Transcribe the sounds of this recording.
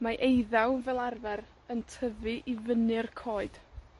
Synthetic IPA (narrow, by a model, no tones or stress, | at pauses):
maʔejðawvɛlˠarvɛɾ | əntʰəvɨʔivənɨrkʰoːɨd̥